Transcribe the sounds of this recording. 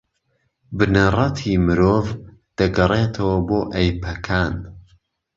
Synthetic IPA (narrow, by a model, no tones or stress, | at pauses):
bɨnɐrɑt̪ʰimɨɾoːvd̪̥ɐɡɐret̪ʰɐwɐboːʔɐjpʰɐkʰaːn